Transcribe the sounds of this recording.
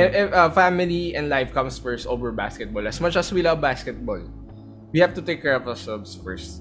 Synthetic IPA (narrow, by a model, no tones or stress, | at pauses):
ʔɛɛɐfamɪliʔɛ̃nlajfkʌ̃msfɛɹsʔovɛɹba̰skɛt̪̚bɔlɐsmʌt͡ʃɐswilʌvbaskɛt̪̚bɔl | wihavt̪ʊt̪ekːɛɹɔfɐsɔbsfɛɹst̪̚